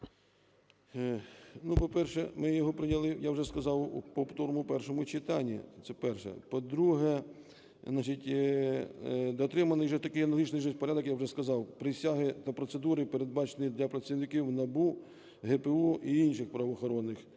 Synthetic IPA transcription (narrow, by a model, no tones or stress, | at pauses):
nupɔpɛrʃɛmɪjɔɦɔpɾɪnʲɐlˠɪjawʒɛskɐzɑwupɔpt̪ɔɾɔmʊpɛrʃɔmʊt͡ʃɪt̪ɑnʲːḭt̪sɛpɛrʃɛ̰pɔd̪ɾuɦɛ | znɑat͡ʃitʲ | d̪ɔt̪ɾɪmɐnɪjʒɛt̪ɐkɪjnɐlˠɐɦit͡ʃnɪjʒɛspɔɾʲad̪ɔkjawʒɛskɐzɑwpɾɪsʲaɦɪt̪ɐpɾɔt̪sed̪uɾɪpeɾe̞d̪̚bɑt͡ʃenid̪lʲɐpɾɐsʲiʋnɪkʲiwnɐbu | ɦɛpeuʔiinʃɪxpɾɐʋɔxɔɾɔnːɪx